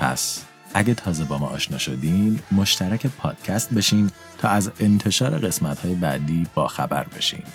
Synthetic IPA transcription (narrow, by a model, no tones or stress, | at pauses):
pʰæ̰s | ʔæɟet̪ʰɒːze̞bɒːmɒ̰ːʔːʃnɒ̰ːʃo̞d̪iːmːo̞ʃt̪æɾæcʰepʰɒːd̪̥cʰæst̪̚be̞ʃiːm | t̪ʰɒːæze̞nt̪ʰe̞ʃɒːɾe̞ɣe̞smæt̪hɒːje̞bæ̰d̪iːb̥ɒːxæbæ̰ɾbe̞̰ʃḭːm